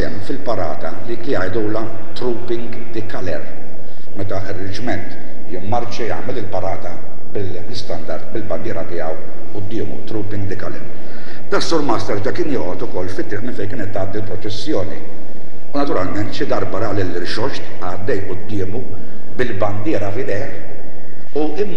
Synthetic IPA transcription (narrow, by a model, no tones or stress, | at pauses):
ɛ̰mfɪlpɐɾɐ̰ːt̪ɐliːklijɐjd̪uːlɐ | t̪ɾuːpɪŋɡ | d̪ɪkɐlɛ̰ɾ | mɛt̪ɐɪrːɪt͡ʃmɛnt̪ | jɪmmɐɾt͡ʃijɐ̰ːmɛlɪlpɐɾɐːt̪ɐ | bɪlbɪst̪ɐnd̪ɐɾt̪bɪlbɐnd̪ɪːɾɐt̪ɪɐw | ʔʊd̪ːɪːmṵt̪ɾuːpɪŋɡd̪ɪkɐlɛ̰ɾ | d̪ɐsːuːɾmɐːst̪ɐɾd͡ʒɐkɪːnjɔːʔɔt̪ʊkɔlːfɪt̪ːɾiːʔmɪnfɛjk̬ɪːnɛt̪ːɐːd̪ːilpɾɔt͡ʃɛsːjɔːnḭ | unɐt̪ʊɾɐlmɛnt̪ʃɪd̪ɐɾbɐɾɐlɪlːɾʃɔʃt̪ | ɐd̪ːɛjʔʊd̪ːɪːmu | bɪlbɐnd̪ɪːɾɐfɪd̪ɛjħ | u | ɪmː